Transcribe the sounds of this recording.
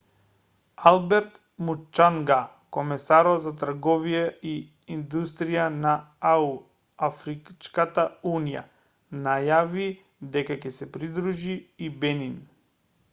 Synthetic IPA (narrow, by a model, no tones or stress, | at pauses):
alˠbɛɾt̪ | mut͡ʃːaŋɡa | kɔmɛsaɾɔt̪zat̪r̩ɡɔvijɛi | ind̪ust̪ɾijanaau | afɾikt͡ʃkat̪aunija̰ | najavi | d̪ɛkakɛsɛpɾid̪ɾuʒiːbɛnin